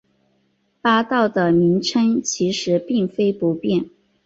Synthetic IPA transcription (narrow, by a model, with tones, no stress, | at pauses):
pa˥t̪ɑ˥˩ʊd̪ə˩mi˧˥ŋʈ͡ʂʰə˥ŋt͡ɕʰi˧˥ʂɻ̩˧˥pi˥˩ŋfe˥ɪpu˧˥pjɛ˥˩n